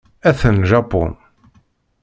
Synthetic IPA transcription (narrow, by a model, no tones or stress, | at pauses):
æθənʒɑpɔ̰n